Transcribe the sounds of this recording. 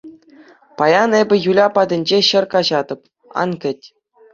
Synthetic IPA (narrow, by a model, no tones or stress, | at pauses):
pɑjɑnebʲɘ̆julʲɑpɑd̪ʲɘ̆nʲd͡ʑeɕɘ̆rkɑʑɑd̪ɤ̆p̚ | ɑ̰nkʲɘ̆tʲ